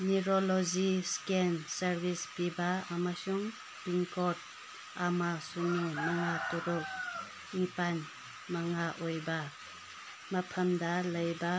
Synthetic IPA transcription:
niɾoloziskensɐɾbispibaːmasuŋ | biŋkɔt̚ | amasunumaŋatuɾɔk̚ | nipan | maŋaʔojba | mɐpʰɐmdɐləjba

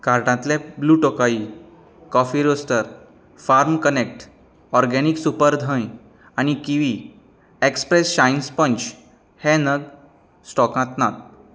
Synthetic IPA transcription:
kaɾʈãt̪lɛ̃bluːʈɔkaiː | kɔfiɾosʈəɾ | faɾmkənek̚ʈ | ɔɾɡɛniksupəɾd̪ʱə̃j | añikiʋi | ekspɾesɕajnspənt͡ɕ | hɛ̃nəɡ | sʈɔkãt̪nat̪̚

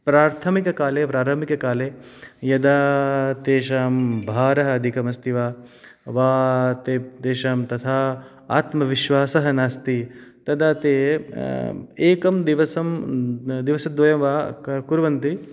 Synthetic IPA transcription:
pɾaːɾt̪ʰɐmikɐkaːleːpɾaːɾɐmikɐkaːleːjɐd̪aːt̪eːʃaːmbʱaːɾɐɦɐɐd̪ʱikɐmɐst̪ʰiʋaː | ʋaːt̪eːt̪eːʃaːmt̪ɐt̪ʰaː | a̰ːt̪mɐʋiʃʋaːsɐɦɐnaːst̪it̪ɐd̪aːt̪eː | eːkɐmd̪iʋɐsɐmd̪iʋɐsɐd̪ʋɐjɐmʋaːɐkuɾʋɐnt̪i

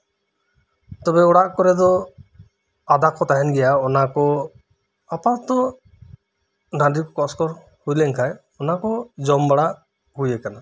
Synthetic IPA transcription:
t̪ɔbɛɔɽaʔkɔɾɛd̪ɔ | ad̪akɔt̪aɦɛnɡɛjaɔnakɔ | apat̪ɔ | ɖʱaɳɖikɔkɔskɔɾ | hujlɛŋkʰaj | ɔnakɔd͡ʒɔmbaɽa | hujɛkana

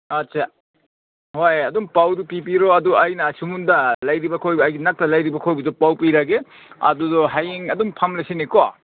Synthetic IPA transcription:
ɐtt͡ʃa | hojɐdumpawdupipiɾɔɐduɐjnɐsumundɐlɐjɾibɐkʰojbːjɡinak̚tɐlɐjɾibɐkʰojbɐdɔpawpiɾaɡe | ɐ̰dudɔɦajiŋɐdumpʰamlajseniko

